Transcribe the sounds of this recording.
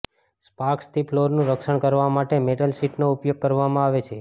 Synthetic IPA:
spaɾkst̪iploɾnũɾəkʃəɳ̃kəɾʋamaʈemeʈəlsiʈnoupjoɡ̚kəɾʋamãaʋet͡ʃʰe

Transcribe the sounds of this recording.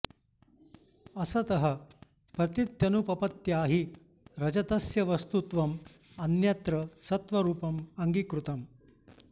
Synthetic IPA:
ɐsɐt̪ɐɦɐ | pɾɐt̪it̪jɐnupɐpɐt̪jaːɦi | ɾɐd͡ʒɐt̪ɐsjɐʋɐst̪ut̪ʋɐm | ɐnjɐt̪ɾɐsɐt̪ʋɐɾuːpɐmɐŋɡikɾut̪ɐm

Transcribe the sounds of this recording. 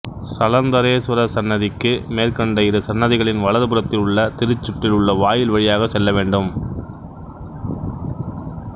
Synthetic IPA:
sɐlɐnd̪ɐɾeːsɯɾɐsɐnːɐðɪkːɯmeːrkɐɳɖɐjɪɾɐsɐnːɐðɪɣɐɭɪnʋɐɭɐðɯpɯɾɐt̪ːɪlɯɭːɐt̪ɪɾɯt͡ʃːʊʈːɪlʊɭːɐʋaːjɪlʋɐɻɪjaːɣɐsɛlːɐʋeːɳɖɯm

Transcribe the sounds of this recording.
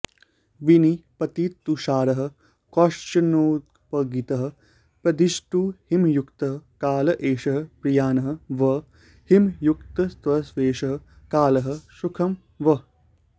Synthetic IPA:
ʋinipɐt̪iːt̪ːuʃaːɾɐɦɐ̆ | kɔʂt͡ʃɐnoːt̪̚ | pɐɡit̪ɐɦɐ̆ | pɾɐd̪iʃʈuhimjukt̪ɐɦɐkaːlɐʔeːʃɐɦɐpɾijaːnɐɦɐ̆ʋɐ | himjukt̪ɐst̪ʋɐsʋeːʂɐɦɐ̆ | kaːlɐɦɐ̆ʃukʰɐm | ʋɐ

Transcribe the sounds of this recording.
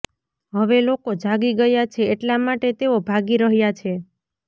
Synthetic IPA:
ɦəʋelokod͡ʒʱaɡiɡəjat͡ʃʰeːʈlamaʈet̪eobʱaɡiɾəɦjat͡ʃʰe

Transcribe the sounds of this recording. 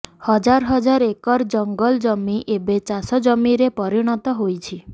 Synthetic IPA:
hɔd͡ʒaɾɦɔd͡ʒaɾekɔɾd͡ʒɔŋɡɔld͡ʒɔmiʔebet͡ʃasɔd͡ʒɔmiɾepɔɾiɽ̃ɔt̪ɔɦojt͡ʃʰi

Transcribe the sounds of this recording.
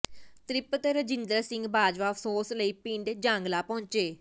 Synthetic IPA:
t̪ɾɪpt̪eɾəd͡ʒɪnd̪ɾaːsɪ̃ŋɡbaːd͡ʒʋaːəfʰsoːsləiːpĩːɳɖd͡ʒãːŋɡlaːpɔ̃ːɲt͡ʃeː

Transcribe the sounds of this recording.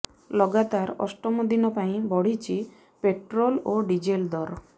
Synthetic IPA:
lɔɡat̪aɾɔ̰sʈɔmɔd̪inɔpaĩbɔɽ̤it͡ʃʰi | peʈɾɔloɖid͡ʒeld̪ɔɾ

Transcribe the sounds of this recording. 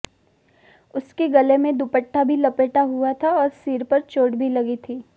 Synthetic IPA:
ʊskeɡɐlemẽd̪upəʈʰːabʱilɐpeːʈaɦuat̪ʰaɔːɾsiːɾpɐɾt͡ʃoːɽbʱilɐɡit̪ʰiː

